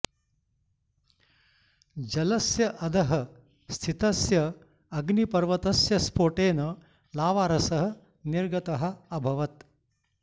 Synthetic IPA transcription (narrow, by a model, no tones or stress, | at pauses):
d͡ʒɐlɐsjɐʔɐd̪ʱɐɦɐ | st̪ʰit̪ɐsjɐː | ɡnipɐɾʋɐt̪ɐsjɐspoːʈeːnɐ | laːʋaːɾɐsɐɦɐ̆ | niɾɡɐt̪ɐɦɐ̆ɐbʱɐʋɐt̪